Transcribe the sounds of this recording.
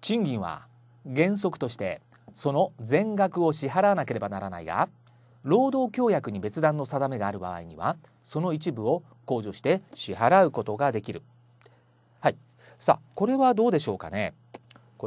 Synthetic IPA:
t͡ɕĩŋɡʲĩɰ̃βa̰ | ɡẽ̞ɰ̃s̬o̞kɯ̟̥t̪o̞ɕi̥t̪e̞ | so̞no̞d͡zẽ̞ŋɡakɯ̟o̞ɕiɦaɾaβanake̞ɾe̞banaɾana̰iɡa̰ | ɾo̞ːd̪o̞ːkʲo̞ːjakɯ̟ɲ̟ibe̞t͡sɨd̪ãnːo̞sad̪ame̞ɡaːɾɯ̟ba̰βa̰iɲ̟iβa̰ | so̞no̞it͡ɕibɯ̟o̞ | ko̞ːʑo̞ːɕi̥t̪e̞ɕihaɾaɯ̟ko̞t̪o̞ɡad̪e̞kʲiɾɯ̟ | hai | sa̰ko̞ɾe̞βad̪o̞ːd̪e̞ɕo̞ːka̰ne̞̰ | k

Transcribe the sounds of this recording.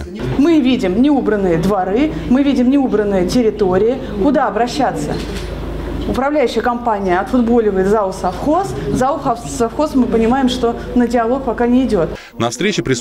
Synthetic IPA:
mɨvʲidʲɪmnʲɪubɾənːɨjəd̪vɐɾɨmɨvʲidʲɪmnʲɪubɾənːɨjətʲɪɾʲɪt̪o̞ɾʲɪɪ | kʊd̪aɐbɾɐɕːat̪sːə̰ | ʊpɾɐvlʲæjʏɕːɪjəkɐmpanʲɪjəɐt̪fʊd̪bo̞lʲɪvəjɪt̪zaʊsɐfxo̞szaʊxɐ | sɐfxo̞smɨpənʲɪmajɪmʂt̪o̞ | nədʲɪɐlˠo̞k̚pɐkanʲɪːdʲo̞t̪ | nɐfst̪ʲɾʲet͡ɕɪpɾʲɪs

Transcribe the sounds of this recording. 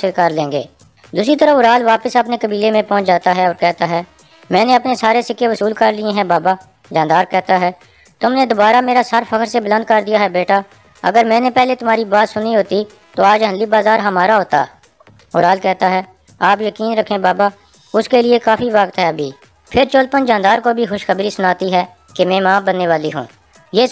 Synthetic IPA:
ɪlkəɾlẽːŋɡḛː | d̪uːsɾit̪əɾəʊɾaːlʋaːpəsɐpnekəbiːlemẽpɔ̃ːt͡ʃd͡ʒaːt̪aɦɛɔːɾkɛɦt̪aɦɛː | mɛ̃ːneɐpnesaːɾesɪkeʋəsuːlkəɾlɪẽɦɛ̃baːbaː | d͡ʒãːnd̪aːɾkɛɦt̪aɦɛː | t̪ʊmned̪ʊbaːɾameːɾasəɾfʰəkəɾsebələ̃nd̪̚kəɾd̪ijaːɦɛbeːʈaː | ə̰ɡəɾmɛ̃ːnepɛɦlet̪ʊm̤aːɾibaːt̪sʊniɦoːt̪i | t̪oːaːd͡ʒɦə̃nlibaːzaːɾɦəmaːɾaɦoːt̪a̰ː | ʊɾaːlkɛɦt̪aɦɛː | aːpjəkiːnɾəkʰẽbaːba | ʊskeliekaːfʰiʋaːkt̪ɦɛəbʱiː | pʰɪɾt͡ʃoːlpənd͡ʒãːnd̪aːɾkobʱixʊʃxəbɾisʊnaːt̪iɦɛː | kemɛ̃ːmãːbənːeʋaːliɦṵ̃ː | jeː

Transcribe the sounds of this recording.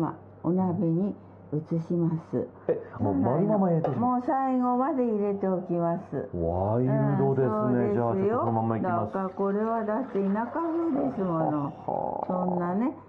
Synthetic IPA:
ma̰ | onabeɲ̟i | ɯ̟t͡sɨɕimasɨ̰ | emomaɾʲinamaiɾet̪emo̞ːsaiɡo̞mad̪e̞iɾe̞t̪e̞okʲimasɨ̰βaiɾɯd̪od̪esoːeesajonomamːaid̪ʲaaskako̞ɾe̞βad̪aseinakaɸɯːd̪e̞sɨmo̞no̞̰sõ̞nːane̞

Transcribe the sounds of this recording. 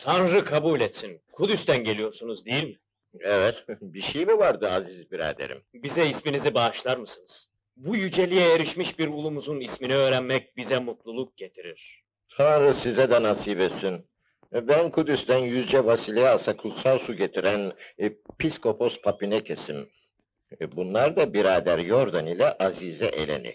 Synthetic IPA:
t̪ʰanɾɯkʰabuːlʲɛt̪sinkʰud̪yst̪ænɟelʲijo̞ɾsunuzd̪ejilʲmi | ɛvɛt̪biʃejmivaɾd̪ɯazizbiɾa̰ːd̪ḛɾḭmbizɛisminizibaːʃlˠaɾmɯsɯnɯz̥ | bujyd͡ʒe̞lʲijɛjeɾiʃmiʃbiɾulˠumuzunisminiøːɾænmɛc̚bizɛmut̪lˠulˠuk̚ɟe̞t̪ʰiɾiɾ̥ | t̪ʰanɾɯsizɛd̪ɛnasiːvesin | bænkʰud̪ist̪ænjyzd͡ʒɛvasilʲejaasakʰut̪salˠsuɟe̞t̪ʰiɾænpʰisko̞pʰo̞spʰapinɛcʰe̞sim | bunlˠaɾd̪abiɾaːd̪æɾjo̞ɾd̪anilʲɛʔazizɛʔḛlʲḛnḭ

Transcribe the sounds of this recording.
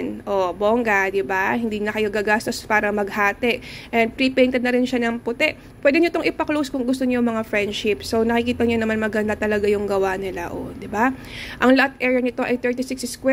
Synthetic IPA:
nʔobo̞ŋɡɐd̪ɪbahɪnd̪iːnɐkɐjoɡaːɡaːst̪o̞spaːɾɐmɐɡhaːt̪ɛʔʔɛnd̪̚pɾipɛjnt̪ɛd̪nɐɾɪnʃanɐŋpʊt̪ɛʔ | pːwɛd̪ɛɲot̪oŋʔɪpɐklowskʊŋɡʊst̪oɲomɐŋafɹɛnd̪ʃɪpso̞wnɐkɪkiːt̪ɐɲonɐmanmɐɡɐnd̪at̪ɐlɐɡajʊŋɡɐwanɪlaʔo̰d̪ɪbaʔɐŋlɐʔat̪̚ʔɛɹɐnɪt̪o̞ʔɐjt̪ɛɹt̪isɪksskwɛ

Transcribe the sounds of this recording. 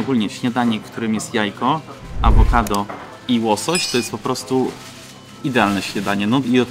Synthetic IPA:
ɔɡulɲɛɕɲad̪aɲɛkt̪uɾɘmjɛst̪jajkɔa̰vɔkad̪ɔ | iwɔsɔɕt̪ɔjɛst̪pɔpɾɔst̪u | id̪ɛalnɛɕɲad̪aɲɛnɔiɔ

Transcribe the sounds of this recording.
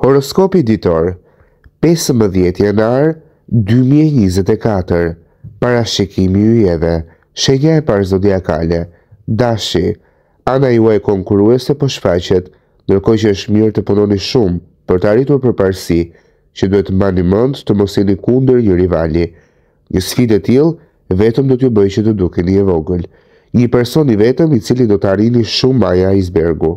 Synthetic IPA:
hɔɾɔskɔpid̪it̪ɔɾ | pɛsəmbəðjɛt̪janaɾ | d̪ymiɛɲizɛt̪ɛkat̪əɾ | paɾaʃikimiyɛðɛ | ʃɛɲaɛpaɾzɔd̪iaka̰lɛ | d̪aʃi | anaiuakɔŋkuɾuɛsɛpɔʃfat͡ɕɛt̪ | nd̪əɾkɔt͡ɕəəʃt̪miɾt̪əpunɔniʃum | pəɾt̪əarit̪uɾpəɾpaɾsi | cəd̪uhɛt̪əmanimund̪t̪əmɔsinikund̪əɾɲəɾivali | ɲəsfid̪ɛt̪ilˠ | vɛt̪əmd̪ɔt̪əjubəjt͡ɕət̪əd̪ukɛnəɛvɔɡəl | ɲəpɛɾsɔnivɛt̪əmit͡silid̪ɔt̪əariniʃumajaizbɛɾɡu

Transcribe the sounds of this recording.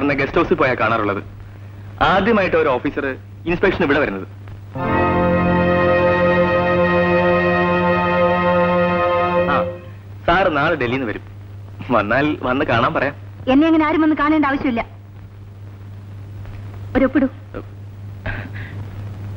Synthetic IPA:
rɐnːɐɡe̞stoːsilpo̞ːjaːkaːɳaːruɭːɐðɨ̰ | aːd̪jɐmaːjiʈːɨoɾo̞ːfiːsɐrɨ | inspekʂɐniʋiɽeʋɐɾunːɐðɨ | aː | saːrnaːɭɨɖelːijnːɨʋɐɾum | ʋɐ̰nːaːlʋɐnːɨkaːɳaːmpɐrɐjaːm | e̞nːeɐŋːɐneaːɾumɐnːɨkaːɳeːɳɖaːʋɐɕjɐmilːɐ | oɾopːiɽu

